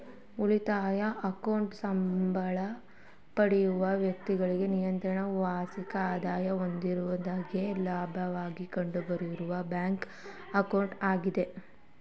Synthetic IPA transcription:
ulit̪aːjɐʔɐkɐwɳʈsɐmbʱɐɭɐ | pɐɽijuʋɐʋjɐk̚t̪iɡɐɭiɡe̞nijɐnt̪ɾɐɳɐʋaːsikɐaːd̪aːjɐo̞nd̪iɾuʋɐd̪aːɡelaːbʱɐʋaːɡikɐɳɖubɐɾiɾuʋɐbjaːŋk | ɐkɐwɳʈaːɡid̪e̞

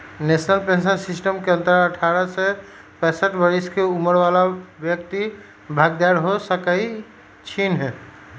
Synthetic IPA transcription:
nesnəlpẽnsəɾsisʈəmkeə̃nt̪ɾaɾəʈʰaɾəse | pɛ̃səʈʰbəɾiskeuməɾʋalabjəkt̪i | bʱaɡd̪aɾɦosəkai | t͡ʃʰinɦɛ

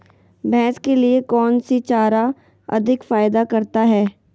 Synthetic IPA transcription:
bʱɛ̃ːskeliekɔːnsit͡ʃaːɾa | ɐ̰d̪ʱɪkfaːjd̪akɐɾt̪aɦɛː

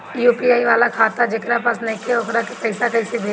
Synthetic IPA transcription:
juːpiaːiʋaːlakʰaːt̪ad͡ʒekɾapasnɐikeoːkɾakepɛːɪsakɐɪsebʱeː

